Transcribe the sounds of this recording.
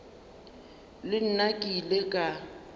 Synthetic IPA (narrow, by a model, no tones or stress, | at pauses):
lɪn̩nakʼilekʼa